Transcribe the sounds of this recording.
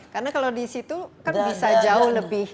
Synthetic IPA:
karnakalawdisit̪ukanbisad͡ʒaʊhləbɪh

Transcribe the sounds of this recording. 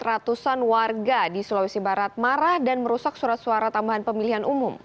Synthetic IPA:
ɾat̪usanwarɡadisulawisibaɾat̪̚maɾahdanməɾusak̚suɾat̪̚suaɾat̪ambaɦanpəmiliɦanʔumʊm

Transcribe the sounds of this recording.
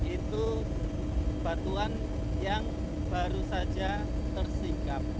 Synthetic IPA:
ʔit̪u | b̥at̪uan | jaŋ | b̥aɾusad͡ʒa | t̪ərsikap̚

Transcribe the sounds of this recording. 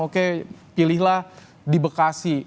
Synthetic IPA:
okepilɪhlah | dibəkasi

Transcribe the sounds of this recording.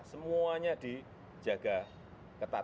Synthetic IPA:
səmuaɲad̪̥i̥ | d͡ʒaɡ̥a | kət̪a

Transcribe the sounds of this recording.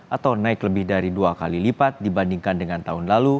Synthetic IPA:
ʔat̪awnaɪkləbɪhdaɾiduakalilipat̪̚dibandiŋkandəŋant̪aɦʊnlalu

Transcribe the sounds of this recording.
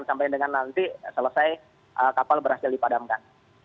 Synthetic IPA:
nsampajndəŋanːant̪isələsaj | ʔəkapalbəɾhasɪldipadamkan

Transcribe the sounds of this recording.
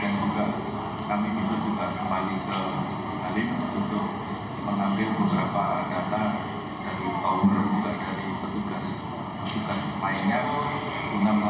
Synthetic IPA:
and͡ʒuɡaʔ | kamibisad͡ʒuɡakəmbalikə | balɪnunt̪ʊk̚ | məŋambɪlbəbəɾapaɲat̪an | daɾik̪awʊrd͡ʒuɡaʔdaɾipət̪uɡas | pət̪uɡasmaiɲa | unam

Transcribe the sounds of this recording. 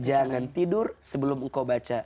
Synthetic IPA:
d͡ʒaŋant̪idʊrsəbəlʊməŋkawbat͡ʃa

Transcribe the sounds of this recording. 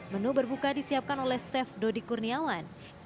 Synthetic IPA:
mənubərbukadisiap̚kanolɛhsɛfdodikurniawan

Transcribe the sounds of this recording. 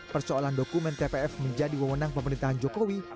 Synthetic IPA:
pərsoolandokumɛnt̪epeɛfməɲd͡ʒadiwəwənaŋpəməɾint̪aɦand͡ʒɔkowi

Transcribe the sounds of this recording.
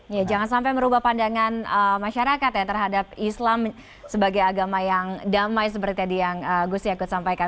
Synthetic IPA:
jad͡ʒaŋansampajməɾubahpandaŋanəmaʃaɾakat̪jat̪ərɦadap̚islam | səbaɡajaɡamajaŋdamajs̬əpəɾt̪it̪adijaŋəɡust̪iakʊt̪̚sampajka

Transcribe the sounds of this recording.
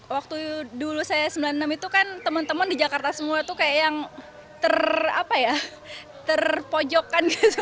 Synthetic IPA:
wak̚t̪udulusajasəmbilanːəmit̪ukant̪əmənt̪əməndid͡ʒakart̪asəmuat̪ukajaʔjaŋ | t̪əra̰paja | t̪ərpod͡ʒɔkːanɡit̪

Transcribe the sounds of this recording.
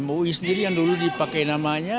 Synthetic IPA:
moisəndiɾijaŋduludipakajnamaɲa

